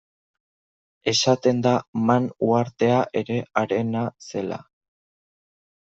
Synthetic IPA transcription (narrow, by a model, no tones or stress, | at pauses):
e̞sat̪e̞nd̪amanuaɾt̪e̞aʔe̞ɾe̞aɾe̞nase̞la̰